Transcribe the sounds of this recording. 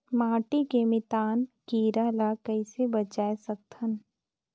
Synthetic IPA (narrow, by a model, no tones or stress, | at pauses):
maːʈikemɪt̪aːnkiːɾalakɐɪsebɐt͡ʃaːesɐk̚t̪ʰən